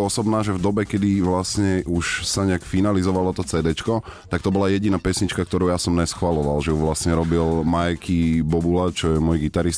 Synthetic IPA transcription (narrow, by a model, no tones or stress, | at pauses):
ɔsɔbnaːʒɛvd̪ɔbɛkɛd̪iʋlasɲɛʔuʃsaɲɛakfinalizɔʋalɔt̪ɔt͡sɛːd̪ɛt͡ʃkɔt̪ak̚t̪ɔbɔlajɛɟinaːpɛsɲit͡ʃkak̚t̪ɔɾuʊjasɔmnɛsxʋalɔʋalʒɛuʋlasɲɛɾɔbilmajkʰibɔbulat͡ʃɔjɛmɔjɡit̪aɾist̪